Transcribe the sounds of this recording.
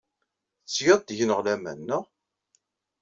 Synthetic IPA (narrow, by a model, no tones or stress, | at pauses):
θt͡sːjəðˤd̪ʝənəʁlæmæ̰nːəʁ